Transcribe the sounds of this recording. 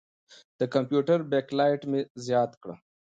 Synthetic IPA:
d̪̥əkampjuʈəɾbeklɑjʈmezjɑːt̪kɽə̰

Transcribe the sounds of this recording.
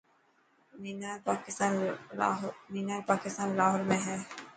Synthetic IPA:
miːnaːɾpaːkɪst̪aːn | miːnaːɾpaːkɪst̪aːnlaːɦɔɾmẽɦɛː

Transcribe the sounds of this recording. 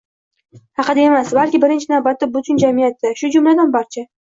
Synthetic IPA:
hɑqʰɨd̪ae̞masbalkʲɪbɪɾɪnt͡ʃʰɪnawbat̪ːɪbʊt̪ʰʊnd͡ʒamɪjat̪ːaʃʊd͡ʒʊmlad̪anbaɾt͡ʃʰa

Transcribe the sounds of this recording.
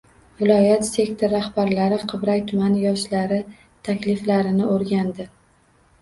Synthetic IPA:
vɪlɒjat̪se̞kʲt̪ʰoɾːahbaɾlaɾɪqʰɨbɾakʲt̪ʰʊmanjɒʃlaɾɪ | t̪ʰakʲlɪflaɾɪnɪʔoɾɡʲand̪ɪ

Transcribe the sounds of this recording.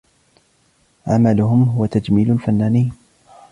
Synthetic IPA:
ʕamalʊɦʊmɦʊwat̪ad͡ʒmiːlʊlfanːaːniː

